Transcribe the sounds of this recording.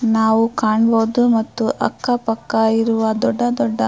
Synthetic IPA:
naːʋukaːɳboːd̪umɐt̪ːuʔɐ̰kːɐpɐkːɐjiɾuʋɐd̪ɔɖːɐd̪ɔɖːɐ

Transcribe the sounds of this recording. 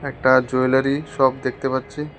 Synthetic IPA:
ɛk̚ʈad͡ʑojlaɾiʃɔbd̪ekʰt̪epatːɕʰi

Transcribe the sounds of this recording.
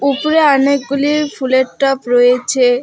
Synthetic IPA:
upoɾeɔnek̚ɡuliɾfʰuleʈʈːɔpɾɔjet͡ɕʰe

